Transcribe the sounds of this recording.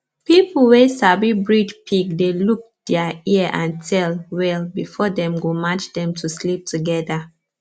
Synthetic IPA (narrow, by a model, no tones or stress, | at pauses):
pipl̩ˠwesabibɹidpʰik̚deluk̚d̥ɛaiʔãntʰɛlwɛlbifɔdɛ̃mɡomat͡ʃdɛ̃mtʰuslip̚tuɡɛda